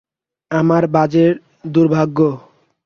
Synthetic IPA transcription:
amaɾbad͡ʑeɾ | d̪uɾbʱaɡːo

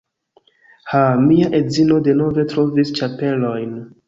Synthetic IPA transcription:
hamiaʔe̞zino̞de̞no̞ve̞tɾo̞vist͡ʃape̞lo̞jn

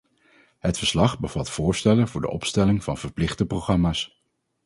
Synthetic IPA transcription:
ɦətfəɹslɑχbəv̥ɑtfʊːɹstɛlənvʊːɹdə̰ʔɔpstɛlɪŋv̥ɑnv̥əɹplɪχdəproχrɑmaːs

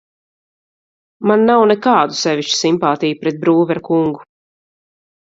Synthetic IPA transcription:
manːawnɛkaːd̪usɛviʃt͡ʃu̥simpaːt̪ijupɾɛt̪̚bɾuːvɛɾkuŋɡu

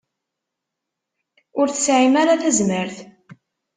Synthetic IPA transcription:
ʊɾθəsʕimaɾaθæzməɾθ

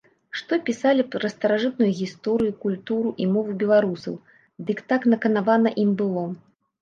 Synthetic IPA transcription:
ʂt̪ɔpʲisalʲiɾɐst̪ɐɾaʐɨt̪̚nujuɣʲist̪ɔɾɨjukulʲt̪uɾuʔimɔvubʲɛlˠaɾusɐ̰w | d̪ɨkt̪aknɐkɐnavanɐʔimbɨlˠɔ

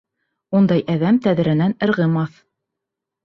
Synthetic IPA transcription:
und̪ɑjʔæðæmt̪æð̆ɾæ̆nænɘ̆ɾʁɤ̆mɑθ

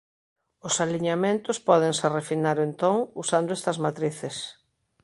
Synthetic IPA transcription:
ʊsaliɲamẽnt̪ʊspɔðeŋserefinaɾoent̪oŋusand̪ʊɛst̪ɐzmat̪ɾiθɪs

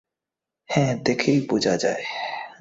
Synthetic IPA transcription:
hɛ̃ːd̪eːkʰipuːd͡ʒaːd͡ʒaːe

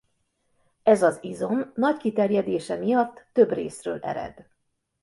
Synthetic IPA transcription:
ɛzɒzizo̞mːɒckit̪ɛrjɛd̪eːʃɛmijɒt̪ːø̞brḛːsrøːlʔɛ̰ɾɛ̰d̪

